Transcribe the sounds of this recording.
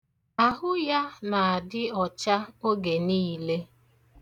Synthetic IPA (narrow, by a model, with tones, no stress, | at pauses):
a˦ɦʊ˦ja˦na˨a˨dɪ˦ɔ˨t͡ʃa˦o˦ɡe˨niː˦le˦